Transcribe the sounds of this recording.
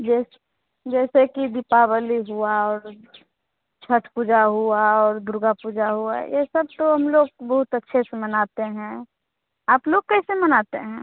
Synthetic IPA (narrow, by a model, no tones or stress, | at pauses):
d͡ʒɛːs | d͡ʒɛːsekid̪ɪpabəliɦuaɔːɾ | t͡ʃʰəʈʰpuːd͡ʒaɦuaɔːɾd̪ʊɾɡapuːd͡ʒaɦua̰jesəb̚t̪oɦɐmloːɡ̚bɐɦʊt̪ətːʃʰesemɐnaːt̪eɦɛ̃ː | aːploːɡ̚kɛːsemənaːt̪eɦɛ̃ː